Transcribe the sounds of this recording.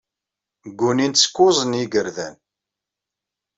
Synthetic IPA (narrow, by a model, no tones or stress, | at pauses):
ɡːuninskːʊzˤənjiɡəɾðæ̰n